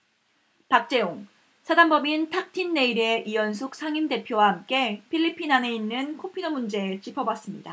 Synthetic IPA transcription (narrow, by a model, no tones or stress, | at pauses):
pak̚t͡ɕ͈e̞oŋ | sʰadambʌmintʰak̚tʰinːe̞iɾe̞ʔijʌns̬ʰok̚sʰaŋinde̞pʰjowahamk͈e̞pʰiʎːipʰinaneinːɯnkʰopʰinʌmund͡ʑe̞t͡ɕipʰʌbas͈ɯmɲida